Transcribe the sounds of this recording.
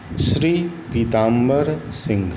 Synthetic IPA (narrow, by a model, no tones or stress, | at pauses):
ʃɾiːpit̪aːmbəɾsɪ̃ŋɡ